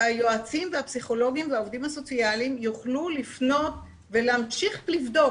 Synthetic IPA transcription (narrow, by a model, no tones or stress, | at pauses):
ajoat͡simveapsiχo̞lo̞ɡimveaovdimhaso̞t͡sialimjuχlulifno̞t | veleamʃiχlivdo̞